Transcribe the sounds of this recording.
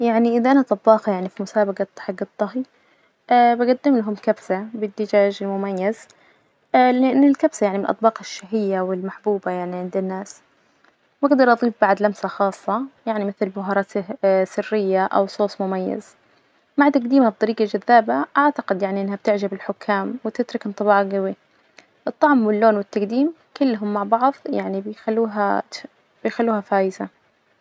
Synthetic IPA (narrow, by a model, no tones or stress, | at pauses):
jaʕniʔɪðaʔanat̪ˤɑbːɑːxajaʕnifimʊsaːbaɡat̪ːɑħɪɡɨt̪ˤːɑɦi | ʔbaɡad̪ːɪmlaɦʊmkabsabɪd̪ːɪd͡ʒaːʒɪlmʊmajːaz | lɪʔɪnːɪlkabsajaʕnimɪnʔɑt̪̚ˤbɑːqɪʃːaɦɪjːawɪlmaħbuːbajaʕniʕɪnd̪ɪnːaːs | baɡd̪ɑɾˤʔɑðˤiːfbaʕd̪lamsaxɑːsˤːɑjaʕnimɪθlbʊɦɑɾˤɑsɪsɪrːɪjːaʔa̰wsˤoːsˤmʊmajːa̰z̥ | maʕt̪aɡd̪iːmhab̚t̪ˤɑɾiːɡad͡ʒaðːaːbaʔaʕt̪aqɪd̪jaʕniʔɪnːhab̚t̪ɪʕd͡ʒabɪlħʊkʰːaːmwɪt̪ɪt̪ɾʊknt̪ˤɨbɑːʕɡawi | ʔɨt̪ˤːɑʕmwɪlːoːnwɪt̪ːaɡd̪iːm | kɪlːɦʊmːaʕbɑʕðˤja̰ʕnibɪjxalːuːɦa | b̥ɪjxalːuːhafaːjɪsa